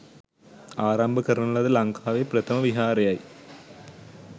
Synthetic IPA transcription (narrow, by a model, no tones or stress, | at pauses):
aːɾaːmbɨkːɐrɐnɐuɭːɐðɨlɐŋkʰaːʋeprɐt̪ʰɐmɐʋiɦaːrɐjaːji